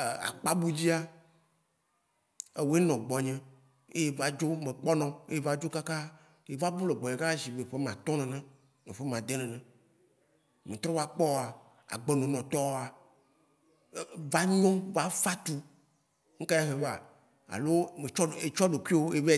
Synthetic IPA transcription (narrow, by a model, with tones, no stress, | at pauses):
a̰˨k͡pa˦bu˦d͡ʑi˦a˦ | e˨wo˨˦e˦nɔ̃˨ɡ͡bɔ˨ɲɛ̃˦ | e˦je˦va˨d͡ʒo˦mẽ˨k͡pɔ˦nɔ̃˨e˦je˦va˦d͡ʒo˦ka˦ka˦ | je˨va˦bu˦le˨ɡ͡bɔ˨ɲẽ˨ka˦ka˦si˨ve˨ɸe˦mã˨t̪ɔ̃˦nɛ̃˨nɛ̃˦ | e˨ɸe˦mã˨d̪e˦nɛ̃˨nɛ̃˨ | mẽ˨t̪ɾɔ̃˦va˦k͡pɔ˦˨a˨ | a̰˨ɡ͡be˨nõ˨nɔ̃˨t̪ɔ˦a˨˦ | va˦ɲɔ̃˦va˦fa˦t̪u˦ | ŋ̩˦ka˦ja˦ɦe˨va̰˨ | a̰˨lo˦me˨t͡ʃɔ˦˨e˨t͡ʃɔ˦ɖo˨kʷi˦wo˦je˦ve˦˨